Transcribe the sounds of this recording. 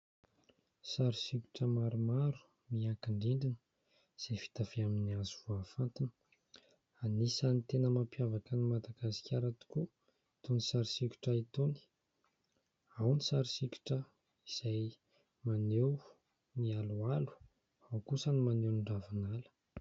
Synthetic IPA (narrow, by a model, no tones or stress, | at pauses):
saɾisiku̥ʈ͡ʂəmaɾumaɾu̥ | miakiɳɖ͡ʐiɳɖ͡ʐinə̥ | z̥efi̥t̪afeaminiazuvuafant̪inə̥ | anisanit̪enəmampijavakənimad̪aɡasi̥kʲaɾat̪u̥ku | t̪onisaɾisiku̥ʈ͡ʂəit̪oni̥ | awnisaɾisikʲu̥ʈ͡ʂə | iz̥aj | manew | mialualu̥ | awkusənimanew̪iɳɖ͡ʐavanalə̥